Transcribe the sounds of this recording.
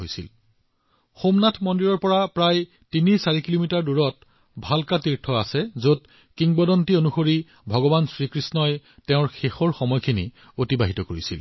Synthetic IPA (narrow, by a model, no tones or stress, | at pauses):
ojsḭl | xomnatʰmɔndiɹɔɹpɔɹapɹaj | tinisaɹikilomitaɹduɹɔt̚ | bʱalkatiɹtʰɔasɛzot̚ | kiŋbɔdɔntionuxoɹi | bʱɔɡɔbansɹikɹisnɔjtɛʊ̃ɹxexɔɹxɔmɔjkʰinḭ | otibaɦitɔkoɹisḭl